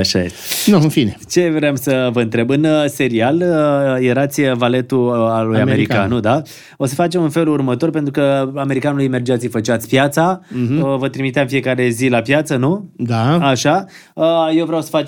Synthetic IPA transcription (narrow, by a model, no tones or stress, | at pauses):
aʃajest̪enuɨnfinet͡ʃe̞vɾeamsəvəɨnt̪ɾe̞bɨnəse̞ɾialəjeɾat̪sʲvale̞t̪ualujameɾikanud̪a | o̞s̬əfat͡ʃe̞munfe̞lurmət̪o̞rpent̪ɾukəame̞ɾikanulujme̞rd͡ʒiat̪sʲifət͡ʃat̪sʲpjat̪saəvət̪ɾimit̪eamfije̞kaɾe̞zilapjat̪sənud̪aaʃa | əjewvɾeawsə̥fat͡ʃ